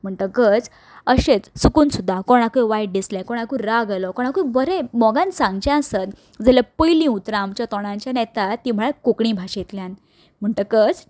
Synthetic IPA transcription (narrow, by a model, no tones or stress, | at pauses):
m̤əɳʈ̪əkəd͡z | əɕet͡ssukuːnsud̪ʱːakoɽ̃akuiʋajʈ̚ɖislẽkɔɽ̃akuiɾaɡalɔkɔɽ̃akuibəɾemɔɡãnsãŋɡt͡ɕãəsət̪ | d͡zəljapəjlĩːut̪ɾãːmt͡ɕjat̪ɔɽ̃ãɲt͡ɕjanɛt̪at̪ːiːm̤əɭakokɳĩbʱaɕet̪ljãn | m̤əɳʈəkəd͡z